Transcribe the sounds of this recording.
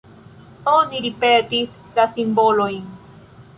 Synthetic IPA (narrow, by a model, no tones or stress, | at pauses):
oniɾipet̪is | lasimbolojn